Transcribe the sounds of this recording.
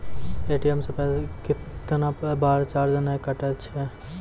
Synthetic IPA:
eːʈijəmsepɛɦlekɪtt̪nabaːɾt͡ʃaːɾd͡ʒənaekəʈət͡ʃʰɛ

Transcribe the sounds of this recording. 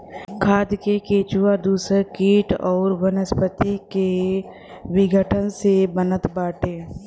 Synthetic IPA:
kʰaːd̪kekeːt͡ʃuːad̪uːsəkiːʈɔːɾʋənəspət̪ike | ʋɪɡʱəʈʰənsebənət̪baːʈeː

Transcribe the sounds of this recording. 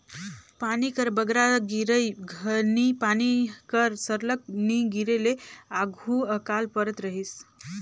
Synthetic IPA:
panikəɾbəɡɾaɡiɾəjɡʱənipanikəɾsəɾlək̚niɡiɾeleaɡʱuəkalpəɾət̪ɾəɦis

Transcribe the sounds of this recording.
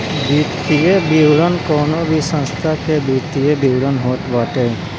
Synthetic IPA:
bit̪iebiwɽənkoːnobʱisə̃nst̪ʰakebit̪iebiwɽənɦoːʈʋaːʈe

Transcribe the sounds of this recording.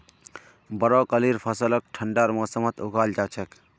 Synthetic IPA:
bɐɾoːkəliːɾpʰɐsələk̚ʈʰəɳɖaːɾmɔːsəmət̪uɡaːld͡ʒaːt͡ʃʰək

